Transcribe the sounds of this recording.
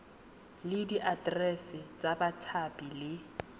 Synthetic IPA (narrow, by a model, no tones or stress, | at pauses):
lɪdiʔadrɛsɪt͡sʼabatʰapʼilɪ